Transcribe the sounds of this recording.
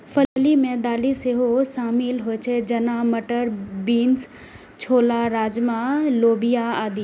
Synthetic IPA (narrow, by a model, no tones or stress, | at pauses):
fɐlimẽd̪aːliseɦosaːmiːlɦot͡ʃʰed͡ʒɐnamɐʈəɾbiːns | t͡ʃʰoːlaɾaːd͡ʒmãloːbijaaːd̪i